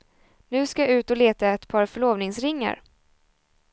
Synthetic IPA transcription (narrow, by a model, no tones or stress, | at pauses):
nʉ̟ːskaʉ̟ːt̪ɔleːt̪aɛt̪pʰɑːɾfœɭoːvnɪŋsɾɪŋːa̰ɾ